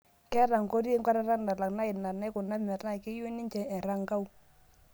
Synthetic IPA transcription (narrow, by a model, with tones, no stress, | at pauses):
kɛ˦ɾa˨ŋko˦ɾe˦ŋka˦ɾa˦ɾa˦nda˨la˨kna˦ɪ˨na˨na˦kʊ˨na˦mɛ˨tna˦˨jke˦jo˦nɪ˦ɲt͡ʃɛ˨ɛ˨ɾa˦ŋka˦u˦